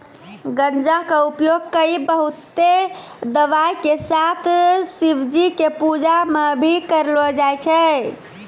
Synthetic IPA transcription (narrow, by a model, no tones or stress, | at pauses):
ɡənd͡ʒakəupjoɡ̚kəibəɦut̪ːed̪əʋajkesat̪ʰsibʱd͡ʒikepud͡ʒamebʱikəɾlɔd͡ʒajt͡ʃʰɛ